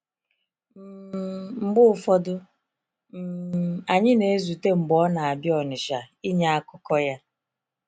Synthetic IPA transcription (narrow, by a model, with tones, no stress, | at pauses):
m̩˨˦m̩˨ɡ͡bʊ˦˨fɔ˦dʊ˦ | m̩˨a˨ɲɪ˦ne˨e˦zu˨te˦ŋ͡m̩˨ɡ͡bɔ˨˦na˨a˨bjɔ˨nʊ˨ʃa˨ | i˦ɲa˦a˦kʊ˦kɔ˦ja˦